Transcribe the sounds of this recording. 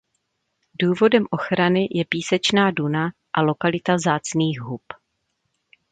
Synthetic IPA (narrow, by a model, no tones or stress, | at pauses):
duːvo̞dɛmʔo̞xɾanɪjʔɛpiːsɛt͡ʃnaːduna | ʔalo̞kalɪt̪avzaːt͡sniːxɦup